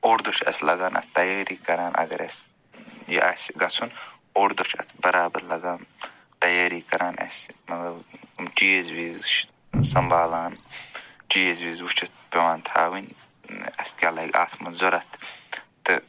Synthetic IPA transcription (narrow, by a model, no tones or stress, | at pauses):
oːɾd̪ut͡ʃʰɐ̰slɐɡaːnʔɐ̰t̪t̪ɐjaːɾiːkɐɾaːnʔɐ̰ɡɐɾɐ̰s | jḭʔa̰sɡɐt͡sʰun | oːɾd̪ot͡ʃʰɐ̰t̪ʰbɐɾaːbɐɾlɐɡaːn | t̪ɐjaːɾiːkɐɾʔaːnɐ̰smɐt̪lɐbumʈizwiːzt͡ʃʰ | sɐmbaːlaːnʈiːzwiːzut͡ʃʰɐt̪̚ʰpʲewaːnt̪ʰa̰ːwin | ɐ̰skʲaːlɐɡʲa̰ːt̪ʰmɐnzoɾɐt̪ʰt̪ɨ